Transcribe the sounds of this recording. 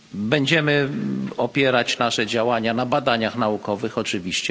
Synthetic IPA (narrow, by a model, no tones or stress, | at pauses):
bɛɲd͡ʑɛmɘɔpʲjɛɾat͡ɕnaʂɛd͡ʑawaɲanabad̪aɲaxnaukɔvɘxɔt͡ʂɘvʲiɕt͡ɕɛ